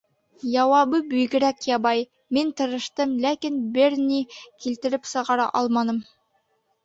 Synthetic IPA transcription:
jɑwɑbɤbʉjɡɘ̆ɾækjɑbɑj | mint̪ɤ̆ɾɤ̆ʃt̪ɤmlækinbɘɾnikilt̪ɘ̆ɾɘpsɤ̆ʁɑɾɑ̰ʔɑlˠmɑnɤm

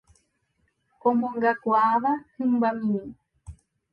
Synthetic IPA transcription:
komõŋɡakʷaʋahɨ̃mbamĩnĩ

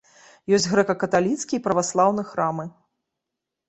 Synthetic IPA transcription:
jɔsʲtʲɣɾɛkɐkɐt̪alʲit̪skʲiipɾɐvaslˠawnɨxɾamɨ

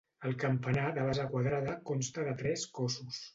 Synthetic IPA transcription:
əlˠkəmpənaðəβazəkwaðɾaðəkɔnst̪əðət̪ɾɛskɔsus

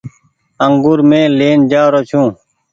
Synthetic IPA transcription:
əŋɡuːɾmẽːleːnd͡ʒaːɾoːt͡ʃʰũː

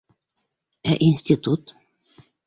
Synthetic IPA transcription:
æʔinsʲt̪ʲit̪ut̪

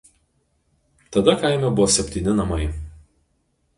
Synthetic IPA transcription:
t̪ɐd̪ɐkɐɪmʲɛbʊʋoːsʲɛpʲt̪ʲiːnʲɪnɐmɐɪ

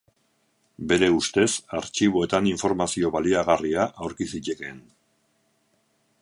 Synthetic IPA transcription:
be̞ɾe̞ust̪e̞saɾt͡ʃiβ̞o̞e̞t̪aniɱfo̞ɾmasio̞βaliaɣ̞ariaʔawɾkisice̞ke̞n

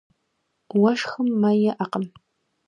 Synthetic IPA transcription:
waʂxəmːajaʔaqʼəm

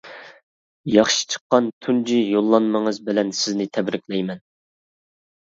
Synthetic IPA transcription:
jɑχʃi̥t͡ʃʰə̥qːɑnt̪ʰund͡ʒijolˠːɑnmɨŋɨzbɪlɛnsɪznɪt̪ʰɛbɾɪkʲʰlɛjmɛn

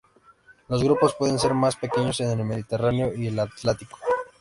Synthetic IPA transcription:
lo̞zɣɾupo̞spwe̞ðe̞ns̬e̞ɾmaspe̞keɲo̞senelme̞ðit̪e̞raneo̞ielat̪lat̪iko̥

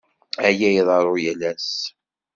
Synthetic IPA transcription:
æjæjðˤɑɾˤojælæs

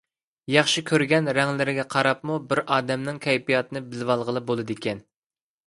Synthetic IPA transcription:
jɑχʃikʲʰøɾɡʲɛnɾɛŋlɪɾɪɡʲɛqʰɑɾɑp̚mubɪɾɑːd̪ɛmnɨŋkʲʰɛjpijɑt̪nɨɪbɪlvɑlˠʁəlˠɨbolˠɨd̪ekʲɛn

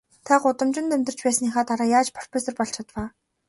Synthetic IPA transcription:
t̪ʰaɢʊt̪ə̆mt͡ɕɪ̆nt̪æmʲt̪̆r̥t͡ɕpæːsə̆niːχaːt̪aɾaːjaːt͡ɕpʰɔ̥r̥pʰeːsə̆rpɔɬt͡ɕʰat̪waː

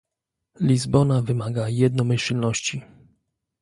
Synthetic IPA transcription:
lʲizbɔnavɘmaɡajɛd̪̚nɔmɘʂɘlnɔɕt͡ɕi

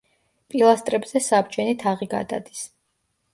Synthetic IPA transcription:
pʼilˠast̪ʼɾɛbz̥ɛsabt͡ʃʰʼɛnit̪ʰaʁiɡa̰d̪a̰d̪is

